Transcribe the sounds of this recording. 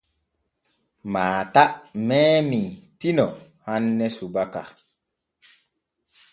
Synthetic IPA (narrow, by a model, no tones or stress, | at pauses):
maːtaʔmɛːmitinɔ | hanːɛsubaka̰